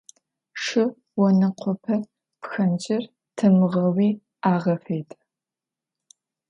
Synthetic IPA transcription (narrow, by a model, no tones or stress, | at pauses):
ʂɨ | wɔnɨqʷʰɔpʰɐ | pxɐnd͡ʒʼɪr | tʰɨmɨʁɐwiː | aːʁɐfejtʰʼ